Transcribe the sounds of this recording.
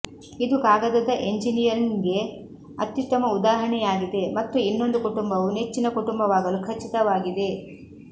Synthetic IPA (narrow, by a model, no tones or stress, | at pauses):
id̪ukaːɡɐd̪ɐd̪ɐʔe̞ɲd͡ʒinijɐɾnɡe̞ | ɐt̪ːjuʂʈ̪ɐmɐud̪aːɦɐɳɛjaːɡid̪e̞mɐt̪ːuinːo̞nd̪ukuʈumbɐʋunet͡ʃːinɐkuʈumbɐʋaːɡɐlukʰɐt͡ʃːit̪ɐʋaːɡid̪e̞